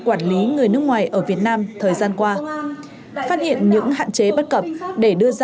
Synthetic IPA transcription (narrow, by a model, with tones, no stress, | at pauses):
kwaː˧˩nli˨˦ŋɨ˨˩əjnɨ˦˥əkŋwaː˨˩jʔəː˧˩vi˨˩ət̚naː˧mt̪ʰəː˨˩jzaː˧nkwaː˧ | faː˦˥t̚hḭ˧˨ənɲɨ̰˧˥ŋɦa̰ː˧˨nt͡ɕe˨˦ɓə˦˥t̚kə˨˩p̚ɗe˧˩ɗɨ˧əza